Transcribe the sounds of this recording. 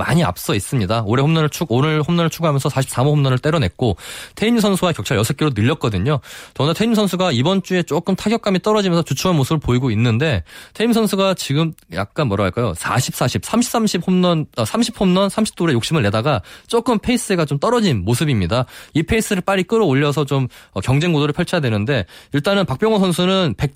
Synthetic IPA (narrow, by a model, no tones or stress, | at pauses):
ma̰ɲia̰p̚s͈ʌis͈ɯmɲidaoɾe̞ɸomnʌnɯɭt͡ɕʰuɡonɯɭɸomnʌnɯɭt͡ɕʰuɡɦamjʌnsʰʌsʰaɕʰi̥p̚s͈amoɸomnʌnɯɭt͈e̞ɾʌne̞t̚k͈otʰeims̬ʰʌnsʰuwakjʌk̚t͡ɕʰaɭjʌsʰek͈iɾonɯʎːʌt̚k͈ʌdɯɲot͡ɕʌnatʰeimsʰʌnsʰuɡaibʌnt͡ɕ͈ue̞t͡ɕ͈ok͈ɯmtʰaɡjʌk͈̚amit͈ʌɾʌd͡ʑimjʌnsʰʌt͡ɕut͡ɕʰuanmosʰɯbɯɭpoiɡoinːɯnde̞tʰe̞imsʰʌnsʰuɡat͡ɕiɡɯmja̰k̚k͈anmʌɾaɡaɭk͈ajo̰sʰa̰ɕʰip̚s͈aɕʰip̚sʰamɕʰi̥s͈amɕʰiphomnʌnʌsʰamɕʰipʰomnʌnsʰamɕʰi̥p̚t͈ʰoɾe̞jok̚ɕ͈imɯɭne̞daɡat͡ɕ͈ok͈ɯmpʰe̞is͈ɯɡat͡ɕomt͈ʌɾʌd͡ʑinmosʰɯbimɲidaipʰeis͈ɯɾɯɭp͈aɾik͈ɯɾooʎːʌs̬ʰʌt͡ɕomʌkjʌŋd͡ʑe̞ŋɡodoɾɭpʰjʌɭt͡ɕʰadwe̞nɯnde̞iɭt͈anɯnpak̚p͈jʌŋʌsʰʌnsʰunɯnpe̞k̚